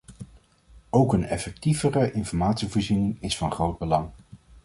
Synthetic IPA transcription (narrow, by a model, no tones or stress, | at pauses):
owkənɛfɛk̚tivərəʔɪnfɔɹmaːtsivoːɹzinɪŋɪsfɑnχrowd̚bəlɑŋ